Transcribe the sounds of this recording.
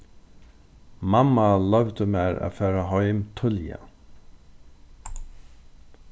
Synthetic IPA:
mamːalœwt̪əmɛːɹa̰ːfɛːɾaɦɔɥmt̪ʰʏlja̰

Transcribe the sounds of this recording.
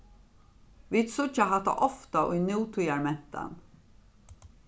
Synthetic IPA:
vit̪sʊt͡ʃaɦat̪a̰ʔɔft̪aʔʊjnjuːt̪ʰujaɹmɛn̥t̪a̰n

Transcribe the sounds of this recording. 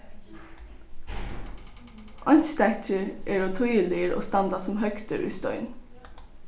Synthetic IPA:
ʔɑnst̪æt̪əɹʔeːɹoːt̪ʰujəlɪəɾo̰ːst̪ɑnd̪ɑsɔmhœkt̪ə̰ɾʔʉ̰ːst̪œʏn

